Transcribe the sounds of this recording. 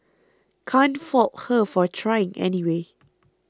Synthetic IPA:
kʰãnfɔlthəfɔtʰɹaɪɪ̃ŋɛ̰niwe

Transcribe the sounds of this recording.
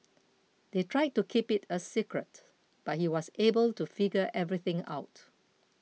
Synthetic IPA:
d̪̥etʰɹaɪd̚tukʰipɪtʰəsikɹət | b̥at̚hiwɔsebəltufiɡəʔɛvɹiθɪ̃ŋa̰ʊt

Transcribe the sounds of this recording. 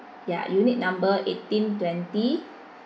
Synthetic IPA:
ja̰junit̪̚nãmbəʔetĩntwɛ̃nti

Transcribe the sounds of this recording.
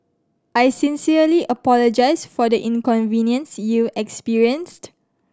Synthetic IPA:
ʔajsĩnsiəliʔəpɔlɔd͡ʒaɪsfɔdəʔĩnkɔ̃nvĩnjə̃nsjuɛkspiɹiə̃nst

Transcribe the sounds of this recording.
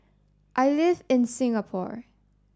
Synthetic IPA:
ʔaɪlɪvɪ̃nsɪ̃ŋəpʰɔ̰ɹ

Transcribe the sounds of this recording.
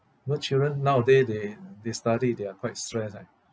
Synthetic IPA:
mət͡ʃildɹə̃nːawdededestadideakʰwaɪt̚stɹɛsa̰

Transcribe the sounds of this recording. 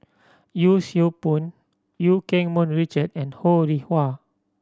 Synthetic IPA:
jusiupũn | jukɛ̃ŋmɔ̃nɹit͡ʃədɛ̃nhoɹihwa

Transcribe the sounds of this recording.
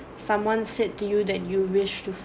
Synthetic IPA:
sãmwɔ̃nssed̚tːujudɛt̚juwɪʃtuf

